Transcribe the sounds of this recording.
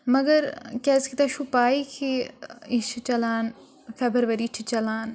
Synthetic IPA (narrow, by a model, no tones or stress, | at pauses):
mɐɡəɾkɛːskit̪aʃupaːikʰiit͡ʃʰit͡ʃɐlaːn | febəɾʋɐɾiːt͡ʃʰit͡ʃɐlaːn